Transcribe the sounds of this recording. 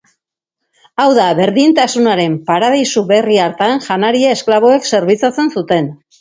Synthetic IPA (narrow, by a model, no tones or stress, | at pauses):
awðaβe̞ɾðint̪asunaɾe̞mpaɾaðajsuβe̞riaɾt̪anʝanaɾiae̞sklaβoe̞kse̞ɾβit͡sat͡se̞nsut̪e̞n